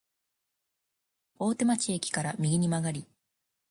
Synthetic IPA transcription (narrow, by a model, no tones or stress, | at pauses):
o̞ːt̪e̞mat͡ɕiekʲi̥kaɾamʲiɡʲiɲ̟imaɡaɾʲi